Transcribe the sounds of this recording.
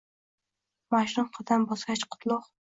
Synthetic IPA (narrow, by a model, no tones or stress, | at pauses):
maʃɾʊɴqʰɑd̪ambɒsɡʲat͡ʃqʰʊ̥t̪ʰlˠʊq